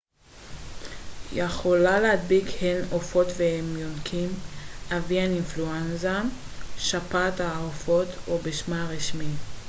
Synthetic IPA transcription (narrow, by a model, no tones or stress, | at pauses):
jeχo̞lalead̪̚bikhenofo̞t̪veemjonkʰimavianinfluenzaʃapat̪aofo̞t̪obeʃmaʁiʃmi